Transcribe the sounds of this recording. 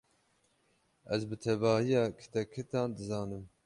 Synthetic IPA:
ʔɛzbɨt̪ʰɛvɑːhijɑːkʰɨ̥t̪ʰɛkʰːɨt̪ɑːnd̪ɨzɑːnɨm

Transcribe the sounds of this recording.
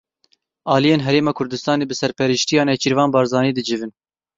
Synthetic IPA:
ɑːlijeːnɦɛɾeːmɑːkʰʊɾd̪ɨst̪ɑːneːbɨsɛɾpʰɛɾiʃt̪ijɑːnɛt͡ʃʰiɾvɑːnbɑːɾzɑːniːd̪ɨd͡ʒɨvɨn

